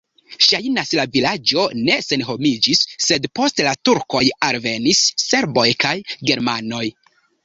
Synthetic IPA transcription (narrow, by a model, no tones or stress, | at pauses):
ʃajnaslavilad͡ʒo̞ne̞se̞nɦo̞mid͡ʒisːe̞dpo̞stlatuɾko̞jalve̞nisːe̞ɾbo̞jkajɡe̞ɾmano̞j